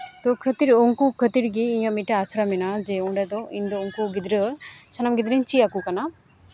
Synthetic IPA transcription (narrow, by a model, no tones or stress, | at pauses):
t̪ɔkʰət̪iɾɔŋkukʰət̪iɾɡiːɲãmiʈɛasɾamɛnad͡ʒɛɔɳɖad̪ɔind̪ɔuŋkuɡid̪ɾəsənamɡid̪ɾiɲt͡ʃiakukana